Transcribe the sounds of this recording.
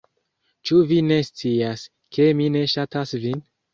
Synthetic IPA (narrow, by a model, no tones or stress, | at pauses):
t͡ʃuvine̞st͡sias | kʰe̞mine̞ʃatasvin